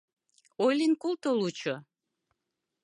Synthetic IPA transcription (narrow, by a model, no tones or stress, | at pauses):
ojlinkult̪olut͡ɕo